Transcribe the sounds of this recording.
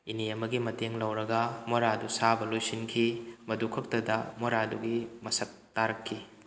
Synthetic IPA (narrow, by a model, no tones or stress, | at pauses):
iniɐmɐɡimɐteŋlɐwɾɐɡɐmoɾadusabɐlujsinkʰimɐdukʰɐk̚tɐdɐmoɾaduɡimɐsɐtːaɾɐkʰːi